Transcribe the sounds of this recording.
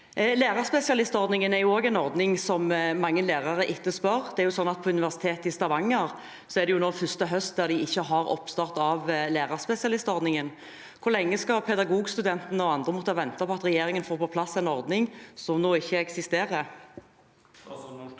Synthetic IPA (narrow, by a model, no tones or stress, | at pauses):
leːʁɑʁspɛsɪɑlɪst̪ɔɾd̪nɪŋənæʁjʊoːɡɛɪnɔɾd̪nɪŋsɔmmɑŋːəleːʁɑʁəʔɪt̪ːəspœʁd̪ɛæɾjʊsɔnːɑt̪̚pʰɔʉnɪʋæʁsɪ̥t̪ʰeːt̪ɪst̪ɑʋɑŋːəʁ | sɔɛæʁd̪ɛjʊnoːfʏst̪əɦœst̪̚d̪æʁd̪ɪɪçːəɦɑʁɔ̰pst̪ɑʁt̪ɑʋleːʁɑʁspɛsɪɑlɪst̪ɔʁd̪nɪŋən | kʰʊɾlɛŋːəskɑpʰɛd̪ɑɡuːɡst̪ʉd̪ɛnt̪nəɔɑnd̪ʁəmɔt̪ːəhɑʋɛnt̪ɑpʰɔɑt̪ʁɛjeːʁɪŋənfoːʁpʰɔpʰlɑsːɛnɔʁd̪nɪŋsɔmnoːɪçːəɛksɪst̪eːʁə